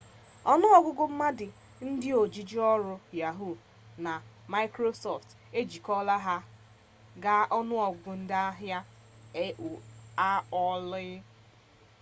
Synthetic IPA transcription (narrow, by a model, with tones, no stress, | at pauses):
ɔ˦nʊ˦ɔ˦ɡʷʊ˦ɡʊ˦m̩˦ma˦dɪ˨ | n̩˦dɪ˦o˨d͡ʒi˨d͡ʒi˦ɔ˦ɾʊ˦ja˨ɦu˦˨ | na˨ | ma˦kɾo˦sɔ˨ft | e˦d͡ʒi˨kɔ˦la˦ɦa˦ | ɡa˦ʔɔ˦nʊ˦ɔ˨ɡʷʊ˦n̩˦dɪ˦a˦ɦja˦ | e˦ʔu˨a˦ɔ˦lɪ˦